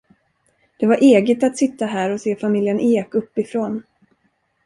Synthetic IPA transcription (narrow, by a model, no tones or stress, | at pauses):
d̪̥ɛvaɾʔeːɡət̪at̪sɪt̪ːaɦæːɾɔseːfamɪljənʔeːkɵpːɪfɾoːn